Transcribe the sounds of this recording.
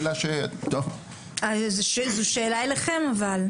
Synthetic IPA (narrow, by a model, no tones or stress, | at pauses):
laʃet̪o | azʃezuʃeːlaeleχemaval